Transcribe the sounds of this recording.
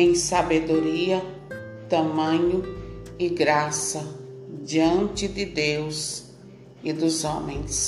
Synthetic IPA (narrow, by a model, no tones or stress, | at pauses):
ẽj̃sabed̪oɾiɐ | t̪ɐ̃mɐ̃ɲʊɪɡɾasɐd͡ʒiɐ̃nt͡ʃɪd̪ɪd̪ews | ɪd̪ʊzõmẽj̃s